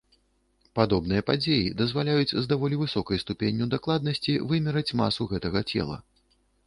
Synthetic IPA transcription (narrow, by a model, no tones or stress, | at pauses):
pad̪ɔbnɨjɐpad͡zʲejid̪ɐzvalʲajud͡zʲzd̪avɔlʲivɨsɔkɐjst̪upʲenʲːuwd̪aklˠad̪̚nɐsʲt͡sʲivɨmʲɛɾɐt͡sʲma̰suɣɛt̪ɐɣɐt͡sʲɛ̰lˠɐ̰